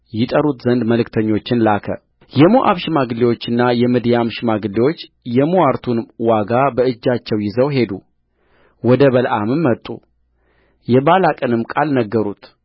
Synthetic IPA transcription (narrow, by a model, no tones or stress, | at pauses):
jɪt̪ʼəɾut̪zənd̪məlɨkt̪ʰəɲːo̞t͡ʃːɪnlakʰə | jɛmoʔa̰βʃɪmaɡɨliwo̞t͡ʃːɨnːajɛmɨd̪jamʃɪmaɡɨlːewo̞t͡ʃː | jɛmuwaɾt̪ʰunwaɡabəɨd͡ʒːat͡ʃːɛwjɪzəwɦe̞d̪u | wɔd̪əβəlʔamɨmːət̪ʼːṵ | jɛbalakʼənɨmkʼalnəɡːəɾut̪